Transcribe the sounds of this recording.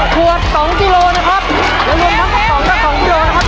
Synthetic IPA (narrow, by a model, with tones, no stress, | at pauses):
kʰu˨˩ət̪̚sɔ˨˩˦ŋki˧loː˧na˦˥kʰa˦˥p̚ | nɛː˨˦wli˧ənpʰa˦˥p̚sɔː˨˦ŋkaː˧˩sɔː˨˩˦ŋki˧loː˧na˦˥˩kʰa˦˥